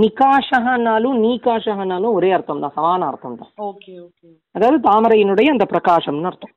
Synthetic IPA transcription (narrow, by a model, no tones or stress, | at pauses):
nikaːʂɐɦɐnaːluniːkaːʃɐɦɐnaːluoɾeːɐɾt̪ʰɐnt̪ɐsɐmaːnɐːɾt̪ʰɐnt̪ɐ̰oːkeoːe | ɐd̪aːd̪ut̪aːmɐɾɐjinuɽɐjiɐnt̪ɐpɾɐkaːʂɐmnuɐɾt̪ɐm